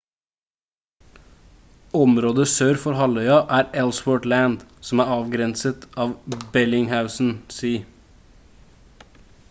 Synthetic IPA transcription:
ɔmɾoːd̪əsøːɾfɔɾhɑlœʏɑʔæːɾɛlswɔːʈlæːnd̪sɔmæːɾɑːʋɡɾɛnsət̪ʰɑːʋbɛlɪŋhaʉsn̩siː

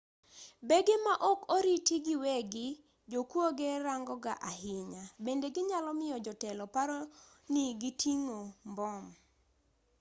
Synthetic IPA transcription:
beɡemaʔɔkoɾitiɡɪweɡɪ | d͡ʒokwoɡeɾaŋɡɔɡaʔahɪɲabendeɡɪɲalɔmɪjɔd͡ʒɔtɛlɔpaɾo | niɡitiŋombɔm

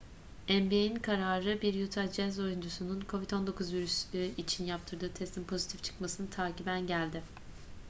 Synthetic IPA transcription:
ɛmbieninkʰaɾaːɾɯbiɾjut̪ʰad͡ʒɛzo̞jund͡ʒusununkʰo̞vit̪o̞nd̪o̞kʰuzviɾysyit͡ʃʰinjap̚t̪ʰɯɾd̪ɯːt̪ʰɛst̪ʰimpʰo̞zit̪ʰift͡ʃʰɯ̥kmasɯnɯt̪ʰaːcibænɟælʲd̪ɪ

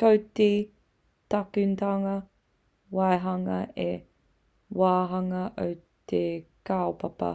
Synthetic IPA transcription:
kowte | tɐkʉntaŋɐ | waeɦɐŋɐe | waːɦɐŋɐʔowt̪ekaopɐpɐ̰

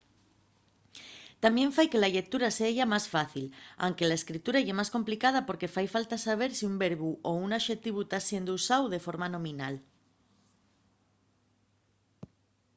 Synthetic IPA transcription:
t̪amjẽ̞ɱfajkelaʎek̚t̪uɾaseʝamasfaθila̰wŋkelaeskɾit̪uɾaeʝemasko̞mplikað̞apo̞ɾke̞fajfalt̪asaβ̞e̞ɾsiumbeɾβuʔounaʃe̞t̪iβut̪asje̞nd̪ousawðe̞fo̞ɾmanõ̞mĩnal

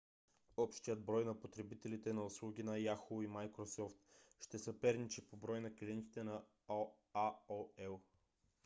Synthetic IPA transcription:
ɔpʃt̪ijəd̪̚bɾɔjnɐpot̪ɾɛbit̪ɛlit̪ɛnɐʊslˠuɡʲinɐjaxoimajkɾosɔft̪ʃt̪ɛsɐpɛɾnit͡ʃipobɾɔjnɐkliɛnt̪i̥t̪ɛnɐ | aoɛlˠ

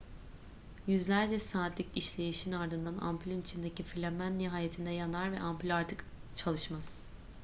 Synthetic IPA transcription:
jyzlʲæɾd͡ʒɛsaːt̪ʰlʲiciʃlʲe̞jiʃinaɾd̪ɯnd̪anʔa̰mpʰylʲynit͡ʃʰind̪ecifilʲemænːiɦaːjet̪ʰind̪ɛjanaɾvɛʔampylʲaɾt̪ʰɯk | t͡ʃʰalˠɯʃmaz̥

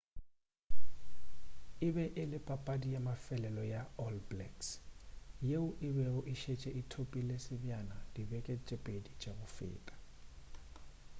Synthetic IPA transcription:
ɪbɛʔɪlɪpʼapʼadijamafɛlɛlɔjaɔlblɛks | jeʊʔɪbɛʊʔɪʃet͡ʃʼɛʔitʰopʼilesɪbjanad̥ibɛkʼɛt͡ʃʼɛpʼedit͡ʃʼabʊfɪ̰ːkʼḁ

